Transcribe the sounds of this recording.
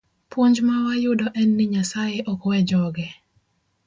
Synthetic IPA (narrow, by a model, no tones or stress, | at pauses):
pwoɲd͡ʒmawajʊdɔʔɛnːɪɲasajeʔɔkwɛd͡ʒɔɡɛ